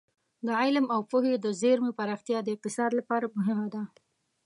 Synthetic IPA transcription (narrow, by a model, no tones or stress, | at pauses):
d̪əʕɪlmawpʊhed̪əzeɾmepaɾɑxt̪ijɑd̪əɪq̚t̪ɪsɑd̪lapɑɾamʊɦɪmad̪a